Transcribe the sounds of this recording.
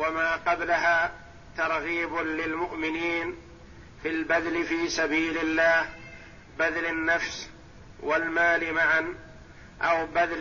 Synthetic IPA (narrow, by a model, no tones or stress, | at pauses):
wamaːqɑblaɦaː | t̪ɑɾˤɣiːbʊlɪlmʊʔmɪniːn | filbad̪lɪfiːsabiːlɪlːaːh | baðlanːafs | walmaːlɪmaʕan | ʔawbad̪l